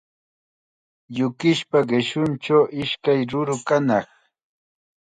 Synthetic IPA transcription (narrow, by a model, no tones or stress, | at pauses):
jʊkɪʃpaɢɪʃʊnt͡ʃawʔɪʃkajɾʊɾʊkanɑχ